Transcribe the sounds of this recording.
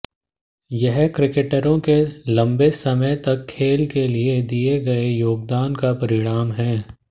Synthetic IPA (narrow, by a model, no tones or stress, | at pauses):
jɐɦkɾɪkeʈəɾõkelɐ̃mbesɐməjt̪ɐkʰːeːlkelied̪ieɡɐejoːɡ̚d̪aːnkapɐɾɪɽ̃aːmɦɛ̃ː